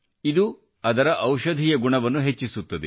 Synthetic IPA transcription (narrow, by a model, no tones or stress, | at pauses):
id̪u | ɐd̪ɐɾɐʔɐwʃɐd̪ʱiːjɐɡuɳɐʋɐnːuɦet͡ʃːisut̪ːɐd̪ḛ